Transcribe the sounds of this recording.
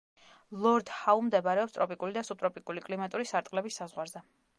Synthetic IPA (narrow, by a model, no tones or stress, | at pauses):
lˠɔɾd̪haumd̪ɛbɾɛɔpst̪ʼɾɔpʼikʼulid̪asub̚t̪ʼɾɔpʼikʼulikʼlimat̪ʼuɾisaɾt̪ʼqʼlɛbisːazʁwaɾzɛ